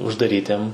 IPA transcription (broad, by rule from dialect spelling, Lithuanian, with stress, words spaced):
ʊʒdɐˈrʲiːtʲiɛm